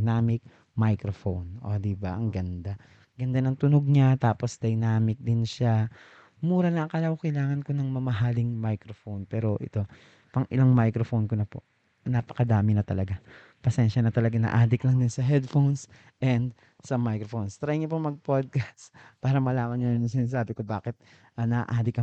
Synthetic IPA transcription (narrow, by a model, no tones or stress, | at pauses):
naːmɪk̚ | majkɾofownʔo̰d̪ɪbaʔɐŋɡɐnd̪a | ɡɐnd̪anɐŋt̪ʊnoɡ̚ɲat̪aːposd̪ɐjnaːmɪk̚d̪ɪnʃa | muːɾɐnɐkɐlɐwokɐjlaːŋɐnkonɐŋmɐmɐɦalɪŋmajkɾofownpɛːɾo̞ʔɪ̰t̪o̞ | pɐŋʔɪlaŋmajkɾofownkonɐpo̞̰ʔ | nɐpɐ̥kɐd̪aːmɪnɐt̪ɐlɐɡa | pɐsɛnʃɐnɐt̪ɐlɐɡanɐ̰ʔaːd̪ɪklɐŋd̪ɪnsɐɦɛd̪fowns | ʔɛnd̪ | sɐmajkɾofonst̪ɾajɪɲɐpomɐɡ̚pod̪̚kaspaːɾɐmɐlaːmɐnɲanɐnʊŋsɪnaːs̬aːbɪkobaːkɪt̪̚ | ʔɐnɐ̰ʔaːd̪ɪkɐ